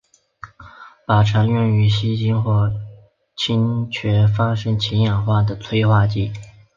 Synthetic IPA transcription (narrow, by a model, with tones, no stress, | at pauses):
pa˨˩ʈ͡ʂʰa˧˥nɥɛ˥˩ny˧˥ɕi˥t͡ɕi˥nxwɔ˥˩ | t͡ɕʰi˥nt͡ɕʰɥɛ˧˥fa˥ʂɤ˥ŋt͡ɕʰi˧˥ŋjɑ˨˩ŋxwa˥˩d̪ə˩t͡sʰwe˥ɪxwa˥˧t͡ɕi˥˩